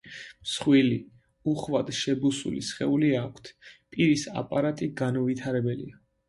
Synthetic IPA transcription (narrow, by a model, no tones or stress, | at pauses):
msχwili | uχvad̪̥ʃɛbusṵlḭsχɛuliakʷʰt̪ʰpʼiɾisa̰pʼaɾat̪ʼiɡanɔvit̪ʰaɾɛbɛlḭa